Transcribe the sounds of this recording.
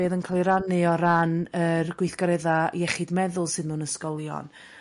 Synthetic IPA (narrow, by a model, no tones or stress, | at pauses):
eːðənkʰaːlˠiɾanɨɔɾanərɡwɪjθɡ̥aɾɛðajɛχɨdmɛðʊlˠsɨnluːnəskɔlˠjɔ̰n